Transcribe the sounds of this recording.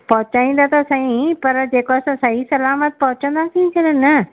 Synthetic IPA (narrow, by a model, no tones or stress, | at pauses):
pɐɦʊt͡ɕaːĩːn̆d̪at̪ɐsãːĩpɐɾd͡ʑeːkoɐsãsaisɐlaːmət̪̚pɐɦʊt͡ɕə̃nd̪asʰĩt͡ɕʰɐlənə